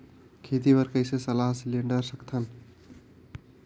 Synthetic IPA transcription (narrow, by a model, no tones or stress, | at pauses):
kʰet̪ibʌɾkəjsesəlaɦsileɳɖəɾsʌkt̪ʰʌn